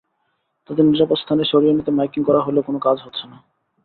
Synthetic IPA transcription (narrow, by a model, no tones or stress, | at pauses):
t̪ad̪eniɾapot̪st̪ʰaneɾʃoɾijonit̪emajkiŋkɔɾaɦolekonokad͡ʑɦotːɕʰena